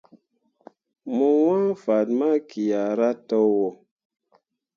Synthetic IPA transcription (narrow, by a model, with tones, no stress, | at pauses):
mu˨wã˦fa˨tma˦kʰi˨ja˨ɾa˦tɔ˦wɔ˨